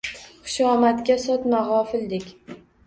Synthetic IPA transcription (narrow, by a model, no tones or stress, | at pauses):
χɨʃɒmat̪kʲasɒt̪maʁɒfɪld̪ɪkʲ